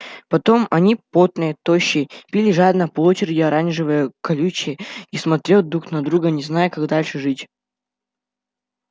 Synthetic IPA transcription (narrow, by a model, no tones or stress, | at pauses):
pɐt̪o̞mɐnʲipot̪nɨjət̪oɕːɪpʲilʲɪʐad̪nəpɐot͡ɕɪɾʲɪdʲɪɐɾanʲʐɨvəjəkɐlʲut͡ɕɪismɐt̪ɾʲot̪̚d̪ɾuknɐd̪ɾuɡənʲɪznajəkaɡd̪alʲʂɨʐɨtʲ